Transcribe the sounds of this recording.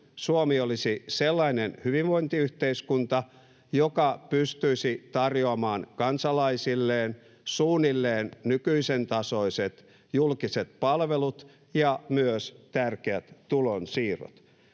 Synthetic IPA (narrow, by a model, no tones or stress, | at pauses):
suomiolisiselːɑinenhyʋiʋʋoint̪iyht̪eiskunt̪ɑ | jokɑpyst̪yisit̪ɑrjoɑmɑːnkɑnsɑlɑisilːeːn | suːnːilːeːnnykyisent̪ɑsoiset̪ | julkiset̪̚pɑlʋelut̪ | jɑmyøst̪ærkeæt̪t̪ulonsiːro̰t̪